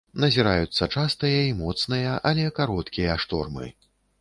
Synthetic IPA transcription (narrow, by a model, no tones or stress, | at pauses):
nɐzʲiɾajut̪sːɐt͡ʂast̪ɨjɐimɔt̪snɨjɐʔɐlʲɛkaɾɔt̪kʲijɐʂt̪ɔ̰rmɨ̰